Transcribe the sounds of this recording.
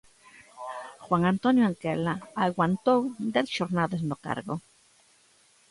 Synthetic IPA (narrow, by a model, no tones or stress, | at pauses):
xwaŋant̪onjoaŋkelaaɣwant̪owd̪eθʃoɾnaðeznoka̰ɾɣo